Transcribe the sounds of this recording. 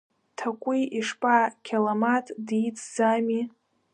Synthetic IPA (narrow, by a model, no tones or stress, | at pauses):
tʰakʷʼiiʂpʼakʲʰalamatʼdit͡sʰzami